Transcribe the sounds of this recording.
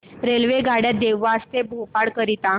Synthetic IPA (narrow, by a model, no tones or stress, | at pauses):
ɾelʋeɡaɽjat̪̚d̪eʋʋaəst̪ebʱopaɽkəɾit̪a